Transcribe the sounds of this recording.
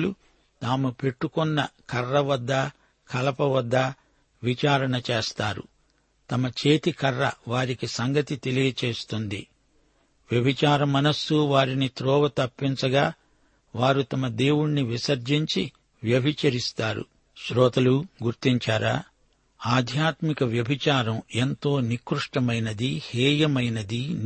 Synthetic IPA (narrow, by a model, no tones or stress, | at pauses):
lu | t̪aːmupe̞ʈːukɔnːɐkɐrːɐʋɐd̪ːɐ | kɐlɐpɐʋɐd̪ːɐ | ʋit͡ʃaːɾɐɳɐt͡ʃeːst̪aːɾṵ | t̪ɐmɐt͡ʃeːt̪ikɐrːɐʋaːɾikisɐŋɡɐt̪it̪e̞lijɐt͡ʃe̞ːst̪und̪ḭ | ʋjɐbʱit͡ʃaːɾɐmɐnɐsːuʋaːɾinit̪ɾɔːʋɐt̪ɐpːint͡ʃɐɡaː | ʋaːɾut̪ɐmɐd̪e̞ːwuɽniʋisɐɾd͡ʒiɲt͡ʃi | ʋjɐbʱit͡ʃɐɾist̪aːɾṵ | ʃɾɔːt̪ɐluɡuɾt̪iɲt͡ʃaːɾa̰ː | aːd̪ʱjaːt̪mikɐʋjɐbʱit͡ʃaːɾɐment̪o̞ːnikɾuʂʈɐmɐjnɐd̪ihɛːjɐmɐjnɐd̪i